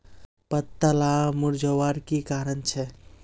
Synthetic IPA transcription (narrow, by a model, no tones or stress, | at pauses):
pət̪ːəlamuɾd͡ʒʱəʋaɾkikaɾənt͡ʃʰɛ